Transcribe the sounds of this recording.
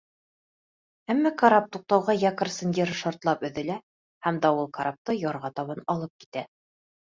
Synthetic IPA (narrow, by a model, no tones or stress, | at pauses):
æmːækɐɾap̚t̪uq̚t̪ɑwʁɑjækərsɤ̆ndeɾʃɑɾt̪lˠɑpɵ̆ðɘ̆læ | hæmd̪ɑulˠkɐɾap̚t̪ɤjɒɾʁɑt̪ɒβɑnɒlˠɤp̚ki̥t̪æ